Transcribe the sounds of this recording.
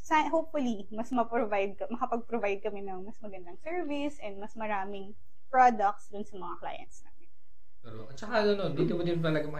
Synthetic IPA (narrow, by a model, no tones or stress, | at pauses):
sɐɦowp̚fʊli | mɐsmɐpɹovajd̪̚kɐmɐkɐpɐɡ̚pɾovajd̪̚kɐmɛnɐŋmɐsmɐɡɐnd̪ɐŋsɛɹvɪsʔɛ̃nd̪mɐsmɐɾaːmɪŋ | pɹod̪ɐk̚t̪sd̪ʊnsɐmɐŋakla̰ːjɐ̰nt̪sna̰ːmɪn | pɛɾoʔɐt͡ʃɐkanonond̪id̪omʊd̪ɪnt̪ɐlɐɡamɐ